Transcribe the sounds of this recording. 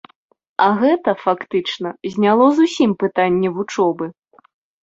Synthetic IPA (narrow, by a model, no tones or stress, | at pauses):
ɐɣɛt̪ɐfakt̪ɨt͡ʂnɐzʲnʲalˠɔzusʲimpɨt̪anʲːɛvut͡ʂɔbɨ